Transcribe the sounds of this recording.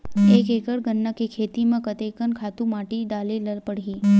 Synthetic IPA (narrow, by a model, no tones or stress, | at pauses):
ekekəɽɡənːakekʰet̪imə̃kət̪ekənkʰat̪umaʈiɖaleləlpəɽɦi